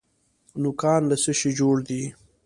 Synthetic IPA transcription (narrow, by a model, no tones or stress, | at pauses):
nʊkɑːnlasəʃid͡ʒoɽd̪i